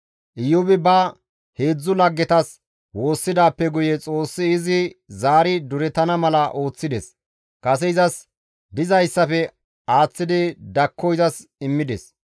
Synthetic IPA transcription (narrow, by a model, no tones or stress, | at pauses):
ʔɪjʊbɪbɐ | he̞ːd͡zːʊlɐɡːɛt̪ɐs | wo̞ːsːɪd̪aːpːɛɡʊjɛt͡sʼo̞ːsːɪːzɪzaːɾɪd̪ʊɾɛt̪ɐnɐmɐlɐʔo̞ːt͡sːɪd̪ɛs | kɐsɛɪzɐs | d̪ɪzɐjsːɐfɛ | aːt͡sːɪd̪ɪd̪ɐkʰːɔjzɐsɪmːɪd̪ɛ̰s